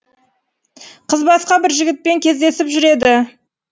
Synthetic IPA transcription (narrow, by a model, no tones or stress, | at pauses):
qʰəzbɑsqɑbɪɾʒɪɡʲɪt̪̚pe̞ŋkʲʰe̞zd̪e̞sɪpʒʏɾe̞d̪ɪ